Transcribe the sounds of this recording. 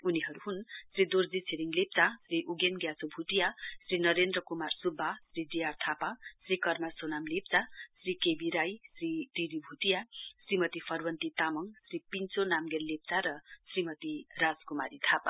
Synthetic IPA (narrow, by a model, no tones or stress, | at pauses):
uniɦʌɾuɦunsrid̪oɾd͡zit͡sʰeɾiŋlep̚t͡sasɾiʔuɡenɡjasobʱut̪ijasɾinʌɾend̪ɾʌkumarsubʱːasrid͡zijart̪ʰapasɾikʌrmasonamlep̚t͡sasrikebiɾajsɾiʈiɾibʱut̪ijasrimʌt̪ipʰʌrwʌnt̪it̪amʌŋsripint͡sonamɡerlep̚t͡saɾʌsrimʌt̪iɾaskumaɾit̪ʰapa̰